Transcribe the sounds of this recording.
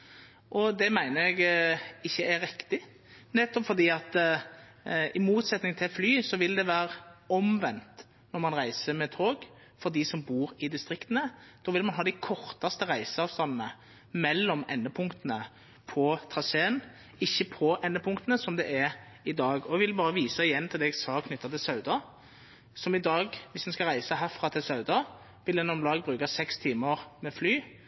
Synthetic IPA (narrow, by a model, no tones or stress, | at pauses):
ʔɔd̪ɛmæɪnəɾɛɡɪçːəæɾɪkt̪ɪ | nɛt̪ːɔpfɔɾd̪iːɑt̪ | ɪmuːt̪sɛt̪nɪŋt̪ʰɪlflyːsɔʋɪld̪ɛʋæːɾɔmʋɛnt̪ | nɔɾmɑnʁæɪsəmɛt̪ʰoːɡ | fɔɾd̪isɔmbuːɾɪd̪ɪst̪ɾɪkt̪ənəd̪̥ɔːʋɪlmɑnɦɑːd̪æɪkʰɔɾt̪ɑst̪əʁæɪsəɑːʋst̪ɑnnə | mɛlːɔmɛnːəpʰʊŋkt̪ənə | pʰɔt̪ʰʁɑseːən | ɪçːəpʰɔʔɛnːəpʰʊŋkt̪ənəsɔmd̪ɛʔɛɾ | ɪd̪ɑːɡɔɛɡʋɪlbɑːɾəʋiːsɑɪjɛnːt̪ʰɪld̪ɛɛɡsɑːkʰnʏt̪ːɑt̪ɪlsɑʉd̪ɑ | sɔmɪd̪ɑːɡʋɪsd̪ɛnskɑʁæɪsəɦæːʁfʁɑt̪ʰɪlsɑʉd̪ɑ | ʋɪlɛnɔmlɑːɡ̚bʁʉːkɑsɛkst̪ʰiːməʁmɛflyː